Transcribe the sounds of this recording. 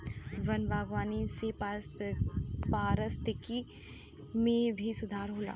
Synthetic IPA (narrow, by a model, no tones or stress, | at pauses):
ʋɐnbaːɡʋaːnisep | paːɾəst̪ɪki | mẽbʱisʊd̪ʱaːɾɦoːla̰ː